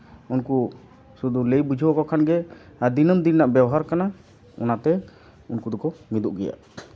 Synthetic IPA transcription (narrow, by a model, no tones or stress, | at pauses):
unku | sud̪ulejbud͡ʒʱiɔkɔkʰanɡɛad̪inəmd̪innaʔbjawɔɦaɾkana | ɔ̰nat̪ɛ | unkud̪ɔkɔmid̪uʔɡɛja̰